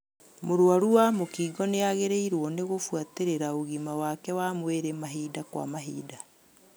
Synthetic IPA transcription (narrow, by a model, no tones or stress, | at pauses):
moɾoaɾuamokiːɡɔneaɣeɾeiɾwɔneɣofwateɾeɾaoɣimawakɛwamweɾemaɦiːdakwa̰maɦḭːda